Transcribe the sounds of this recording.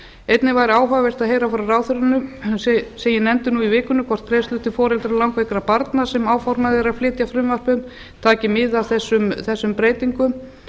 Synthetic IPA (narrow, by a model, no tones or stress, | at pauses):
ejt̪nɪvaːjɾɪaːwɦaɣavɛr̥t̪aðɦeːjɾafɔɾaraːwθʏɾanʏsɛsɛmjɛnɛnt̪ɪnuivɪːkʏnʏkʰvɔr̥t̪̚kʰɾejst̪ʏht̪ɪfɔːɾɛlt̪ɾalawŋkvejkɾapaɾt̪nasɛmaːwfɔɾmaðɪɾaflɪːt̪jafɾʏmvar̥pʏm | t̪ʰaːcɪmɪðawθɛsːʏmθɛsːʏmpɾeːjt̪iŋkʏm